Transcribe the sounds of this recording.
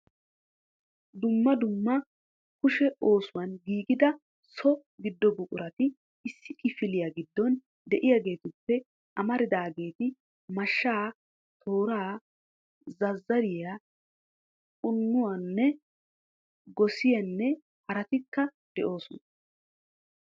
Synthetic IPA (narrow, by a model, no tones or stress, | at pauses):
d̪ʊmːɐd̪ʊmːɐ | kʊʃɛo̞ːsʊwɐnɡiːɡɪd̪ɐ | sɔ | ɡɪd̪ːɔbʊkʼʊɾɐt̪ɪ | ɪsːɪkʼɪfɪlɪjaɡɪd̪ːɔn | d̪ɛʔɪjaɡe̞ːt̪ʊpːɛ | ʔɐmɐɾɪd̪aːɡe̞ːt̪ɪ | mɐʃːaː | t̪ʰo̞ːɾaː | zɐzːɐɾɪja | kʼʊnːʊwanːɛ | ɡɔsɪjɐnːɛ | hɐɾɐt̪ɪkːɐ | d̪̥ɛʔo̞ːsʊnɐ